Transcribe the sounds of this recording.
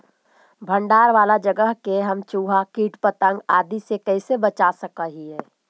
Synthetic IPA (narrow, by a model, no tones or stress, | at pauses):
bʱə̃ɳɖaːɾʋaːlad͡ʒəɡəɦkeɦɐmt͡ʃuːɦakiːʈpət̪ə̃ŋɡaːd̪isekɛːsebət͡ʃasəkəɦiɦɛː